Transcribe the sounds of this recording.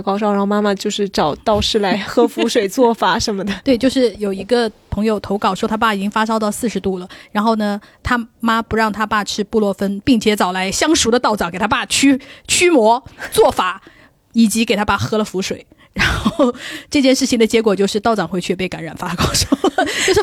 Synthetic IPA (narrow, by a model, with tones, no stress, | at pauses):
kɑ˥ʊʂɻxo˥˧ma˥ma˧t͡ɕjo˥˧ʂɻ̩˥˩ʈ͡ʂɑ˨˩˦ʊt̪ɑ˥˧ʊʂɻ̩˥˩la˧˥ɪxɤ˥fu˧˥ʂwe˨˩ɪt͡swɔ˥˩fa˨˩ʂə˧˥nmə˧d̪ə˩t̪we˥˧ɪt͡ɕjo˥˧ʊʂɻ̩˥˩jo˨˩ʊi˧˥ɡə˧pʰɤ˧˥ŋjo˨˩ʊt̪ʰo˧˥ʊkɑ˨˩ʊʂwɔ˥t̪ʰa˥p̬a˥˩i˨˩t͡ɕi˥ŋfa˥ʂɑ˥ʊt̪ɑ˥˧ʊsɹ̩˥˩ʂɻ̩˧˥t̪u˥˩lə˩ɻa˧˥nxo˥˩ʊnə˩ | t̪ʰa˥ma˥pu˧˥ɻɑ˥˩ŋt̪ʰa˥pa˥˧ʈ͡ʂʰɻ̩˥˧pu˥˧lwɔ˥˩fə˥npi˥˩ŋt͡ɕʰjɛ˧˥t͡sɑ˨˩ʊla˧˥ɪɕjɑ˥ŋʂu˧˥d̪ə˧t̪ɑ˥˩ʊt͡sɑ˨˦ŋke˨˩ɪt̪ʰa˥pa˥˩t͡ɕʰy˥t͡ɕʰy˥mwɔ˧˥t͡swɔ˥˩fa˨˩˦ | i˨˩t͡ɕi˧˥ke˨˩ɪt̪ʰa˥pa˥˩xɤ˥lə˨fu˧˥ʂwe˨˩ɪ | ɻa˧˥nxo˥o˧˥˧ʊʈ͡ʂɤ˥˧t͡ɕjɛ˥˧nʂɻ̩˥˩t͡ɕʰi˩ŋd̪ə˩t͡ɕjɛ˧˥kwɔ˨˩t͡ɕjo˥˧ʊʂɻ̩˥˧t̪ɑ˥˩ʊt͡sɑ˨˩ŋxwe˥˧ɪt͡ɕʰy˥˧p̬e˥˩ɪka˧˥nɻa˨˩nfa˥kɑ˥˩ʊʂo˥lə˩t͡ɕjo˥˧ʊʂ